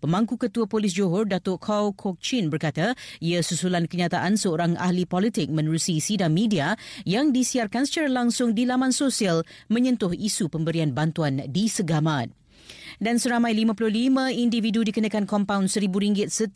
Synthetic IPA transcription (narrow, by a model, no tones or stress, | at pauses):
pəmbaŋkukət̪uəpolɪs̬d͡ʒoɦɔrdat̪ʊkʰawkʰok̚t͡ʃinbərkat̪aiasusulankəɲãt̪aʔansəoɾaŋa̰hlipɔlit̪ɪk̚mə̃nəɾusisidaŋmĩdiajaŋdisiarkansə̥t͡ʃaɾalaŋsʊŋdilamãnsosialmə̃ɲə̃nt̪ʊhisupəmbəɾianbant̪uandisəɡaman | dansəɾamãjlimãpulʊhlimə̃individudikənakankɔmpawnsəɾibuɾiŋɡɪt̪̚sə